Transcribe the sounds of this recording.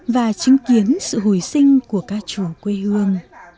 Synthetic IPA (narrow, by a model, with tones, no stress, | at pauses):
vaː˨˩t͡ɕi˨˦ŋ̟ki˨˦ənsɨ̰˧˨ɦu˧˩jsï˧ŋ̟ku˧˩əkaː˧˥k̚t͡ɕu˧˩kwe˧hɨ˧əŋ